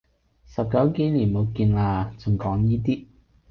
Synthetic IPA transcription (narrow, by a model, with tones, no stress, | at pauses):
sɐ˨p̚kɐ˨˥wke˨˥jliː˨˩nmo˨˧wkiː˧nlaː˧t͡sʊ˨ŋkɔː˨˥ŋjiː˥t̪iː˥